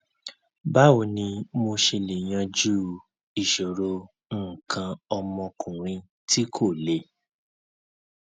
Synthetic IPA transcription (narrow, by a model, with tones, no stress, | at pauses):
ba˦o˧˨nĩ˧mo˧ʃe˧le˨j̃ã˧d͡ʒu˦ | i˨ʃo˨ɾo˧˦˨ | kʰã˧ɔ˧mɔ̃˧kʰũ˨ɾ̃ĩ˧ | ti˦kʰo˦˨le˨˦